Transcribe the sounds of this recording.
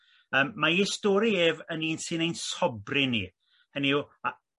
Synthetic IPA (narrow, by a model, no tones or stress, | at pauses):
əːmːaistoːɾieːvəniːnsɨnejnsɔbrɪnḭ | həniua